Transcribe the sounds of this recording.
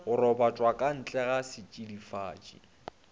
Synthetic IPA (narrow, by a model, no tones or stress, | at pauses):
ʊɾɔbat͡ʃʼwakʼan̩t͡ɬʼɛɣasɪt͡ʃʼidifaːt͡ʃʼḭ